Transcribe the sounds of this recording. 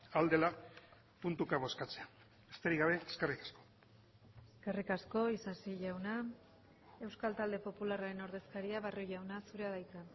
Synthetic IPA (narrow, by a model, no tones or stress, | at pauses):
ald̪e̞la | punt̪ukaβo̞skat͡se̞a | est̪eɾiɣaβe̞eske̞rikḁsko̞̥ | eske̞rikasko̞isasiʝawna | e̞wskalt̪ald̪e̞po̞pularaɾe̞no̞ɾðe̞skaɾiaβaroʝawnasuɾe̞aðajt̪a